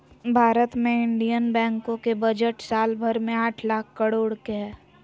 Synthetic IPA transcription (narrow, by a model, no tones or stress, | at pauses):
bʱaːɾət̪mẽɪɳɖijənbɛ̃ːŋkõkebɐd͡ʒəʈsaːlbʱəɾmẽaːʈʰlaːkʰkːəɽoːɽkeɦɛː